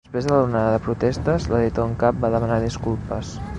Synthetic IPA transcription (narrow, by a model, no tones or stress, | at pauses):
əspɾezðələurnaðəðəpɾut̪ɛst̪əzləðit̪oəŋkap̚baðəmənaðiskulˠpəs